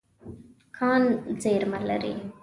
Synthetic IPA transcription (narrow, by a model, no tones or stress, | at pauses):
kʰaːnzeːɾmɐlːɐ̰ɾḭ